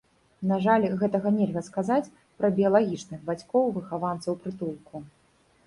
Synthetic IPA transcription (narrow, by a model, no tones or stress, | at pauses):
naʐalʲɣɛt̪ɐɣɐnʲɛlʲɣɐskazat͡sʲ | pɾɐbʲiɐlˠaɣʲit͡ʂnɨxbat͡sʲkɔwvɨxavant̪sɐwpɾɨt̪ulˠku